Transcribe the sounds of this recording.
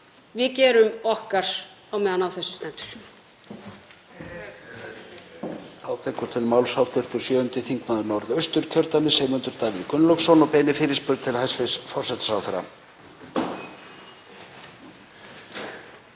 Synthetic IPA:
vɪðcɛːɾʏmɔhkaɾ̥ | awmɛːðanawθɛsːʏ̥st̪ɛnt̪ʏ̥ɾ̥ | aːwt̪ʰɛkʏt̪ʰɪlmawlsawt̪ɪr̥t̪ʏɾ̥sjœːʏnt̪ɪθiŋknaðʏɾnɔɾðœɥst̪ʏɾ̥cʰœɾt̪anɪseːmʏnt̪ʏɾt̪avɪkʏnlɔksɔnɔpɛːnɪfɪːɾɪspʏɾt̪ʰɪlhajsvɪsfɔrsɛt̪sawθɛɾa̰

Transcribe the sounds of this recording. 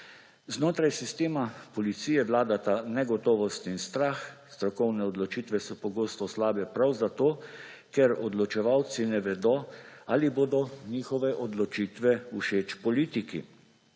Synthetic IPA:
znoːt̪ɾajsist̪eːmapɔlit̪siːjɛʋlaːd̪at̪anɛɡɔt̪ɔːʋɔst̪inst̪ɾaːxst̪ɾɔkɔwnɛɔd̪lɔt͡ʃiːt̪ʋɛsɔpɔɡoːst̪ɔslaːbɛpɾawzat̪oː | kɛɾɔd̪lɔt͡ʃɛʋawt̪sinɛʋɛd̪ɔaːliboːd̪ɔniːxɔʋɛʔɔd̪lɔt͡ʃiːt̪ʋɛuʃeːt͡ʃpɔliːt̪ikḭ

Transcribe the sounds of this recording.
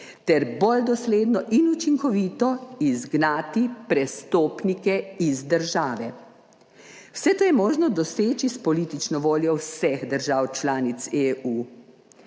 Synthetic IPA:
t̪ɛɾbold̪ɔsleːd̪nɔʔinut͡ʃiŋkɔʋiːt̪ɔizɡnaːt̪ipɾɛst̪oːpnikɛizd̪əɾʒaːʋɛ | wsɛt̪oːjɛmoːʒnɔd̪ɔseːt͡ʃispɔliːt̪it͡ʃnɔʋoːljɔwsɛxd̪əɾʒaːwt͡ʃlaːnit̪seu

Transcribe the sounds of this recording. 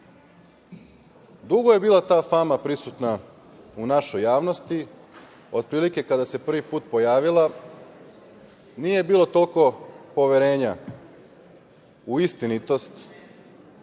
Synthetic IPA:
d̪uɡoje̞biːlˠat̪aːfamapɾisut̪na | unaʃo̞jːaːʋno̞st̪i | o̞d̪̚pɾiːlike̞kad̪ase̞pr̩ʋipuːt̪̚po̞jaːʋila | nije̞biːlo̞t̪o̞lˠko̞po̞ʋeɾe̞ːɲa | uist̪init̪o̞st̪

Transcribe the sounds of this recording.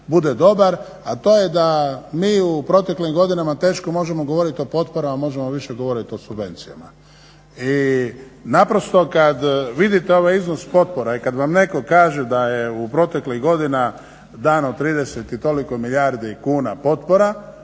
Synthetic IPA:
bud̪ed̪o̞baɾ | at̪o̞ːjed̪amiːupɾo̞t̪e̞klimɡo̞d̪inamat̪e̞ːʃkomo̞ʒe̞mo̞ɡo̞ʋo̞ɾit̪io̞po̞t̪̚poɾamamo̞ʒe̞mo̞ʋiʃeɡo̞ʋo̞ɾit̪io̞subʋe̞nt̪sija̰ma | i | napɾo̞st̪o̞kad̪ʋid̪it̪eo̞ʋajiznospo̞t̪̚po̞ɾaikad̪ʋamne̞ko̞kaːʒed̪ajeupɾo̞t̪e̞kliɣɡo̞d̪ina | d̪aːnot̪ɾiːd̪eset̪it̪o̞liko̞milʎʲjaɾd̪ikuːnapo̞t̪po̞ɾa

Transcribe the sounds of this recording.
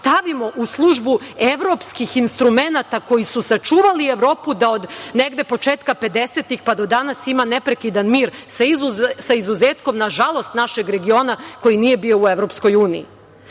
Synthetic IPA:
st̪aʋimo̞ʔuslˠuʒbue̞ʋɾo̞pskixinst̪ɾume̞nat̪ako̞jisusat͡ʃuːʋalieʋɾo̞ːpud̪aod̪neɡd̪e̞po̞t͡ʃeːt̪kape̞d̪e̞se̞t̪ixpad̪o̞d̪anasimanepɾe̞kid̪anmiːɾsaizusaizuzeːt̪ko̞mnaʒalˠo̞st̪naʃe̞ɡɾe̞ɡio̞ːnako̞jinije̞bio̞ueʋɾo̞psko̞juːniḭ

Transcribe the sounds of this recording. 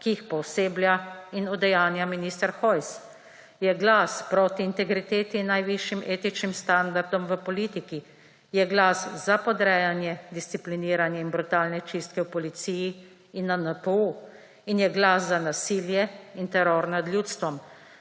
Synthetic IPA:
kijixpɔwseːblʲjainud̪ɛjaːnjaminist̪əɾxɔjs | jɛɡlaspɾoːt̪iːnt̪ɛɡɾit̪eːt̪inːajʋiʃjimʔeːt̪it͡ʃnimst̪and̪aɾd̪ɔmʋəpɔlit̪iki | jɛɡlaszapɔd̪ɾɛːjanjɛd̪ist̪sipliniːɾanjɛinbɾut̪aːlnɛt͡ʃist̪kɛwpɔlit̪siji | inːanapəu | injɛɡlaszanasiːljɛint̪ɛɾoːɾnad̪ljuːt̪st̪ʋɔm

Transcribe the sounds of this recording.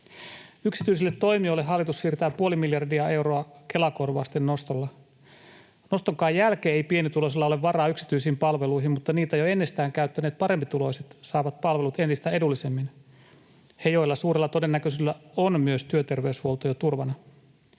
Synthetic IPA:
yksit̪yis̬ilːet̪ːo̞jmiolːeɦːɑlːit̪ussiːrt̪æːpuolimiljɑrdiɑe̞wɾo̞ɑke̞lɑkorʋɑ̰ːst̪enːo̞st̪olːɑ | no̞st̪oŋkɑːjːælkeːejpienit̪ulos̬ilːɑoleʋʋɑrɑːyksi̥t̪yisiːmpɑlʋe̞lujɦimmut̪ːɑniːt̪æjoe̞nːest̪æːŋkæyt̪ːæneːt̪̚pɑɾe̞mpit̪ulo̞jset̪sɑːʋɑt̪̚pɑlʋe̞lut̪e̞nt̪ist̪æe̞dulːise̞mːin | he̞jo̞jlːɑsuːɾelːɑt̪o̞de̞nːækøsilːæonmyøst̪yøt̪e̞rʋe̞yshuolt̪ojot̪urʋɑnɑ

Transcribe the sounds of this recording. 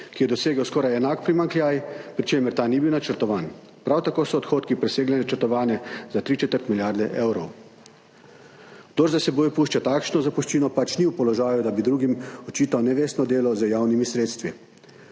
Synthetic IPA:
kijɛd̪ɔseːɡəwskɔːɾajɛnaːkpɾimaŋkljaːjpɾit͡ʃeːməɾt̪aːnibiwnat͡ʃəɾt̪ɔʋaːn | pɾawt̪akoːsɔːt̪xoːt̪kipɾɛseːɡlɛnat͡ʃəɾt̪ɔʋaːnjɛzat̪ɾiːt͡ʃɛt̪əɾt̪miljaːɾd̪ɛʔeːwɾɔw | ɡd̪ɔɾzasɛboːjpuːʃt͡ʃat̪aːkʃnɔzapuʃt͡ʃiːnɔpat͡ʃniwpɔlɔʒaːjud̪abid̪ɾuːɡimɔt͡ʃiːt̪awnɛʋeːst̪nɔd̪eːlɔzəjaːwnimisɾeːt̪st̪ʋi

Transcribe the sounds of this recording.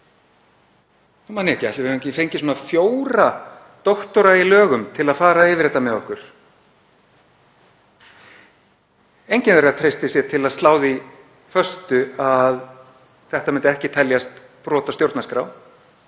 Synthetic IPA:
manːɪɛhcɪaht̪ɪvɪẽcɪfejɲcɪswɔːnafjoːwɾa | t̪ɔht̪ɔɾailœːɣʏmt̪ʰɪlaðfaːɾaɪːvɪɾ̥ɛt̪ːamɛðɔhkʏɾ̥ | ejɲcɪnvɛɾat̪ʰɾejst̪ɪsjɛt̪ʰɪlaðst̪laːwði | fœst̪ʏað | θɛht̪amɛnt̪ɪɛhcɪt̪ʰɛljast̪ | pɾɔːt̪ast̪jowɾt̪naskɾaw

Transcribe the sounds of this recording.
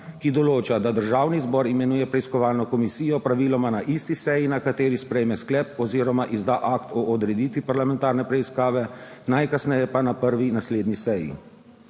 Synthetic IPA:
kid̪ɔloːt͡ʃad̪ad̪əɾʒawnizbɔɾimɛnuːjɛpɾɛiskɔʋaːlnɔkɔmisiːjɔpɾaʋiːlɔmanaʔist̪isɛjinakat̪eːɾispɾɛjmɛsklɛpɔziːɾɔmaʔizd̪aʔakt̪ɔʔɔd̪ɾɛd̪iːt̪ʋipaɾlamɛnt̪aːɾnɛpɾɛiskaːʋɛnajkasnɛjɛpanapəɾʋinasleːd̪nisɛjḭ

